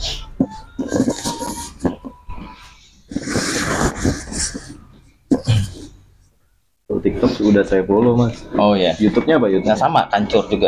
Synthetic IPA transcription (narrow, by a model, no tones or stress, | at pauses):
ot̪ik̚t̪ɔksudahsajapolomasʔojajut̪ʊp̚ɲaːpajuŋasama̰kaɲt͡ʃʊrd͡ʒuɡa